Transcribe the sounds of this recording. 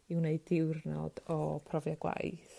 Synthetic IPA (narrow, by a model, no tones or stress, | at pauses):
iwneɨdɪwrnɔ̰d̥ɔpʰrɔvjaɡwa̰jθ